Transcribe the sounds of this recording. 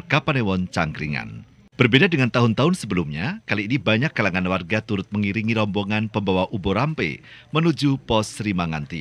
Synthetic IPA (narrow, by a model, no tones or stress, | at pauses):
kapanewɔnt͡ʃaŋɡɾḭŋa̰n | b̥ərbedadəŋant̪aɦʊnt̪aɦʊnsəbəlumɲakaliːnibaɲakːalaŋanwarɡat̪uɾʊt̪̚məŋiɾiŋiɾɔmbɔŋanpəmbawaʔuboɾampḛmənud͡ʒupɔsɾimaŋant̪ḭ